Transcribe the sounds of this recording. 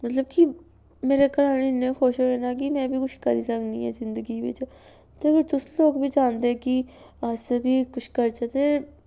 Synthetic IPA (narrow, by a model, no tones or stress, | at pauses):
mət̪ləb̚ki | meːɾeːkəɾaːninẽːxʰoːʃoɦeːnaːk̬imɛ̃ːbʱiːkʊt͡ʃʰkəɾḭːsəknḭ̃ːɛ̰ːzɪnd̪əɡiːʋɪ̰t͡ʃ | t̪eɡəɾt̪ʊsloːɡbʱiːd͡ʒaːnd̪eɛki | ad͡ʒsəbʱiːkʊt͡ʃʰkəɾt͡ʃət̪eː